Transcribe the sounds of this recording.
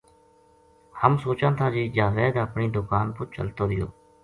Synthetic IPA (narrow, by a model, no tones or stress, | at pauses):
həmsoːt͡ʃãːnt̪ʰaːd͡ʒiːd͡ʒaːʋeːd̪əpɳiːd̪ʊkaːnpʊt͡ʃə̰lt̪oːd̪ɪlo̰ː